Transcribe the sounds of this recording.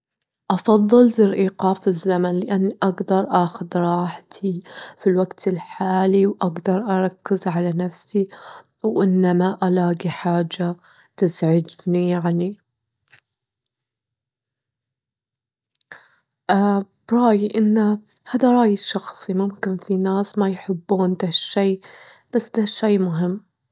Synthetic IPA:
ʔɑfɑðˤːɨlzɪɾʔiːqɑːfɪzːamanlɪʔanːiʔaɡd̪ɑɾˤʔaːxʊd̪ɾˤɑːħt̪ʰifilwaɡt̪ɪlħaːliwʔaɡd̪ɑɾˤʔɑɾˤɑkːɪzʕalanafsi | wʔɪnːamaʔalaːɡiħaːd͡ʒːa | t̪ɪzʕɪd͡ʒnijaʕni | ʔaːb̥ɾˤɑːjiʔɪnːa | haːðaɾˤɑːjɪsʃɑxsˤimʊmkɪnfinaːsmajħɪbːuːnd̪aʃːeː | b̥asːd̪aʃːejmʊɦɪmː

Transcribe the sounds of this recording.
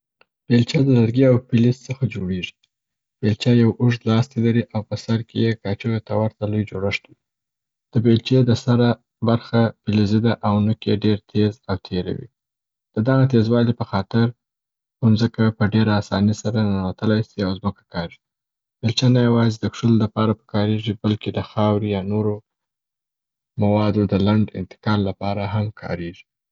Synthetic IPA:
b̥elt͡ʃɑd̪əlaɾɡiawpɪlizt͡səxad͡ʒoɽeʐi̥ | b̥elt͡ʃɑjawʊʐd̪lɑst̪ilaɾiʔawpəsaɾkejekɑt͡ʃoɣet̪awaɾt̪alujd͡ʒoɽaʂt̪wi | d̪̥əbelt͡ʃed̪əsaɾa | baɾxapɪlizid̪aʔawnəkeɖeɾt̪ʰezawt̪ʰeɾa̰wḭ | d̪̥əd̪aɣat̪ezwɑlipəxɑt̪ɪɾ | ʊnzəkapəɖeɾaːsɑ̰nisaɾanawat̪əlajsiawzməkḁkɑʒi̥ | b̥elt͡ʃanajawɑzed̪əkʂəlolapɑɾapə̥kɑɾeʐibalked̪əxɑwɾijɑnoɾo | mawɑd̪od̪əlaɳɖɪ̰nt̪ɪ̥kɑlːapɑɾaɦamkʰɑ̰ɾeʐi

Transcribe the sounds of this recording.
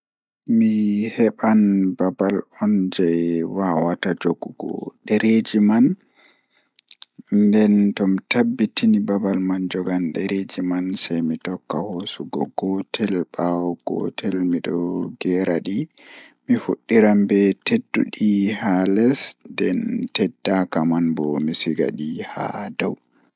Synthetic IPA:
mihɛɓanbabalɔnd͡ʒɛjwawatad͡ʒoɡuɡɔ̰ɗɛɾed͡ʒiman | dɛntɔmitabːitinibabalmand͡ʒɔɡanɗɛɾed͡ʒimansajmitɔkːahosuɡɔ̰ɡɔtʰɛlbawɔɡ̥ɔ̰tʰɛlmiɗɔɡɛɾaɗi | mifuɗːiɾambɛtedːṵɗihalɛsdɛntɛdːakamanbɔmisiɡa̰ɗiha̰daw

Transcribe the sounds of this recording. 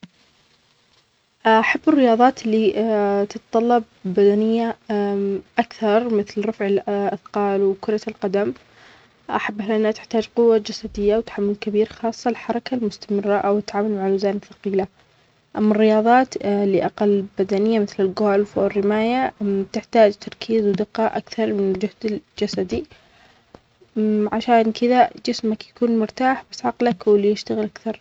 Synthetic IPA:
ʔaħabːɪrːɪjɑːðˤɑːt̪lːit̪ɪt̪t̪ˤɑlːɑb̚ː | ad̪anɪjːa | ʔakθɑɾˤmɪθlɾˤɑfʕɪlʔaθqɑːlwkʊɾˤɑlqad̪am | ʔaħabːahlʔɪnːat̪ɪ̥ħt̪aːd͡ʒqʊwːad͡ʒasad̪ɪjːawt̪ḁħamːʊlkabiːɾxɑːsˤːɑlħɑɾˤɑkalmʊst̪amɪrˤːaʔawɪt̪ːʕaːmalmaʕalːʊzaːnɪfɑ̥qiːla | ʔamːarːɪjɑːðˤɑːt̪lɪʔaqalːbad̪anɪjːamɪθlɪlɡoːlfwɪrːɪmaːjat̪ɪħt̪aːd͡ʒt̪ɑɾˤkʰiːzwd̪ɪqːɑːʔakθɑɾˤmɪnɪld͡ʒʊhd̪ɪld͡ʒasad̪i | ʕaʃaːnkɪðad͡ʒɪsmakjḁkuːnmʊɾt̪aːħbasʕɑqlakwɪljɪʃt̪aɣɪlʔakθɑɾˤ

